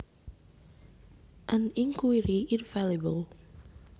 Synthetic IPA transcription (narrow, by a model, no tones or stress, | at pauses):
ʔãniŋkwiɾiʔinfalebəl